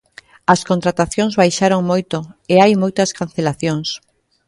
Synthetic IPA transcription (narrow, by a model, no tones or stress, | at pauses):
ɐskont̪ɾat̪aθjoŋzβajʃaɾoŋmojt̪oeajmojt̪ɐskan̟θelaθjoŋs